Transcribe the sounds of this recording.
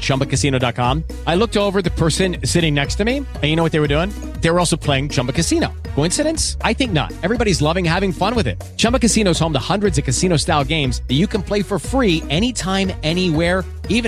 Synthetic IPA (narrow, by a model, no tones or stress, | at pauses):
t͡ʃʰʌ̃mbɨkɨsĩnoʊdɑt̚kʰɑ̃m | aɪlʊk̚toʊvə˞ðɨpʰɜ˞sɨ̃nsɪɾɪ̃ŋnɛkstɨmi | ɨ̃njɨnoʊwʌt̚ðeɪwə˞duɪ̃ŋ | ðeɪə˞ɔlˠsoʊpʰl̥eɪɪ̃ŋt͡ʃʰʌ̃mbɨkɨsĩñoʊkʰoʊɪ̃nsɨɾɨ̃nsaɪθɪ̃ŋk̚nə̰ɾ̚ɛvɹibɑɾizlʌvɪ̃ŋhævɪ̃ŋfʌ̃nwɨðɪ̰t̚t͡ʃʰʌ̃mbəkɨsĩñoʊz̥hõʊ̃mðəhʌ̃ndɹɨdzʌv̥kɨsĩñoʊstaɪlˠɡẽɪ̃mzðɨt͡ʃɨkɨ̃npʰl̥eɪfə˞fɹiɛɾ̃itʰãɪ̃mɛniwɛɹ | ivɨ̃